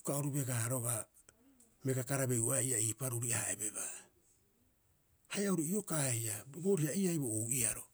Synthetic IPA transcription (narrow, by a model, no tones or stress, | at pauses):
ukaoɾube̞ɡaɾo̞ɡa | meɡakaɾabe̞uaiaiːpaɾuɾiahaebe̞ba | hajauɾiio̞kajaboɾiaiajbouʔiaɾo̞